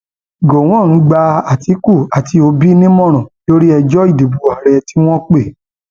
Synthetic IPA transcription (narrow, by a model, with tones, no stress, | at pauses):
ɡo˨w̃ɔ̃˦˨ɾ̃ũ˨˦ɡ͡ba˧a˨ti˨˦ku˦˨a˨ti˧o˧bi˦nĩ˦mɔ̃˦˨ɾ̃ɔ̃˨to˦ɾi˦ɛ˧d͡ʒɔ˦i˦˨di˨bu˨a˨ɾɛ˧ti˦w̃ɔ̃˦k͡pe˦˨